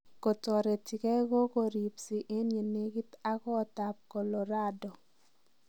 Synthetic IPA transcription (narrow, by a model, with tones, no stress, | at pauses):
ko˨tɔ˨ɾe˨ti˨kɛ˦ɡo˦ko˨ɾi˨psi˨ʔe˦nje˨ne˦ɡi˦t̪a˦kɔ˦t̪a˨p̚kɔ˨lɔ˨ɾa˦dɔ˨